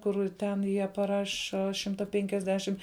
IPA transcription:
ˈkʊr ˈtʲɛn ˈjiɛ pɐˈrɑːʃɐ ˈʃʲɪmtɐ pʲɛŋʲkʲɛzʲˈdʲæːʃʲɪm

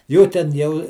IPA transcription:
ˈjuː tʲɛn ˈjɛʊ

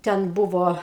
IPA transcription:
ˈtʲɛn ˈbʊʋoː

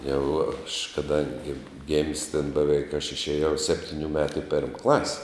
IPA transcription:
jɛʊ ɐʃ kɐˈdɐŋʲɡʲɪ ɡʲɪmʲsʲ tʲɛn bʲɛˈʋʲɛɪk ɐʃ ɪʃʲeːˈjɛʊ ˈsʲæːpʲtʲɪnʲʊ ˈmʲæːtʊ ɪ ˈpʲɛrm ˈklˠɐsʲ

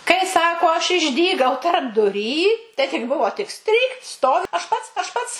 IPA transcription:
kɐɪ ˈsɑːkoː ɐʃ ɪʒʲˈdʲiːɡɐʊ tɐrbdʊˈrʲiː tɐɪ tʲɪk ˈbʊʋoː tʲɪk ˈsʲtʲrʲiːkt ˈstoːʋʲɪ ɐʃ ˈpɐts ɐʃ ˈpɐts

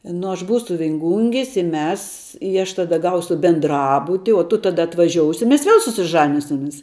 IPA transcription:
nʊ ɐʃ ˈbuːsʊ ʋʲɪŋˈɡʊŋʲɡʲɪs ɪ ˈmʲɛs ɪ ɐʃ tɐˈdɐ ˈɡɐʊsʊ bʲɛnˈdrɑːbʊtʲɪ oː tʊ ˈtɑːdɐ ɐtʋɐˈʒʲoːʊsʲɪ mʲɛs ˈʋʲiɛlˠ sʊsʲɪˈʒɑːnʲɪsʲɪmʲɪs

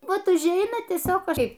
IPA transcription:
ˈʋɐt ʊʒʲˈɛɪnɐ tʲiɛˈsʲoːk ˈkɐɪp

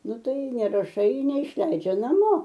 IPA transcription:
ˈnʊ ˈtɐɪ nʲɛrɐˈʃɐɪ nʲɛɪʃʲˈlʲɛɪd͡ʒʲɛ nɐˈmoː

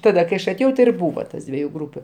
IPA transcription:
ˈtɑːdɐ kɐɪ ˈɐʃ ɐˈtʲeːjɛʊ tʲɪ ɪr ˈbuːʋɐ tɐs ˈdʲʋʲiɛjʊ ˈɡruːpʲʊ

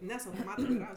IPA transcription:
ˈnʲɛs ɐʊtoːˈmɑːtɐ ʋɐɪˈrɐws

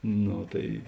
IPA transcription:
ˈnoː tɐɪ

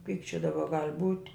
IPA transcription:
kɐɪp t͡ʃʲɛ dɐˈbɐ ɡɐlʲ buːtʲ

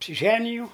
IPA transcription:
ɐpʲsʲɪˈʒʲæːnʲɪjɛʊ

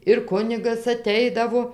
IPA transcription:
ɪr ˈkʊnʲɪɡɐs ɐˈtʲɛɪdɐʋoː

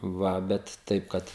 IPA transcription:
ˈʋɐ ˈbʲɛt ˈtɐɪp kɐt

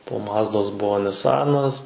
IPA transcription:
poː ˈmɑːzdoːs ˈbuɔ nʲɪˈsɑːnɐs

